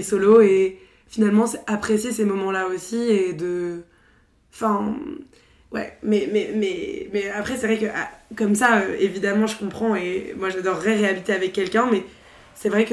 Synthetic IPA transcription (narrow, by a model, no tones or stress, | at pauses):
soloe | finalmɑ̃sɛapχesjesemɔmɑ̃laosied̪ə | ɑ̃fɛ̃ | wɛ̰mɛmɛmɛmɛapχɛsɛvʁɛkəʔa̰kɔmsaøevid̪amɑ̃ʒəkɔ̃pχɑ̃emwaʒad̪ɔʁːɛʁeabit̪eavɛkʲːɛlkʲɛ̃mɛ | sɛvʁɛk